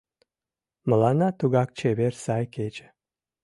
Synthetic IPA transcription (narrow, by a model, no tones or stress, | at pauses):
mə̆lɑnɑt̪uɣɑk̚t͡ɕeβersɑjket͡ʃe̥